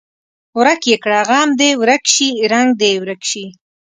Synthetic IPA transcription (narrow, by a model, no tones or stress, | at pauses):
wɾakjekɽaɣɑːmd̪ewɾakʃiɾaŋɡ̚d̪ewɾakʃi